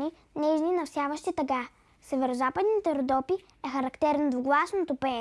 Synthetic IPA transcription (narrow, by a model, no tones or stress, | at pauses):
i | nɛʒninɐfsʲjavəʃt̪it̪ɐka | sɛvɛɾozapəd̪nit̪ɛɾd̪ɔpi | ɛxɐɾɐkt̪ɛɾnod̪voɡlˠasnot̪opɛ